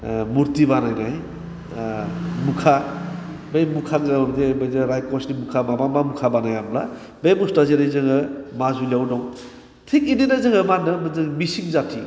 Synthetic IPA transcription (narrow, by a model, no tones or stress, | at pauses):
muɾtibanajnaj | mukʰa | bejmukʰaŋzaɔɾdebajdɯɾajkɔsnimukʰamabamamukʰabanajamla̰ | bejmustaziɾajzɯŋɯmazuliawdɔŋ | tʰik̚ininazɯŋɯmanɯmɯzɯŋmisiŋzatʰi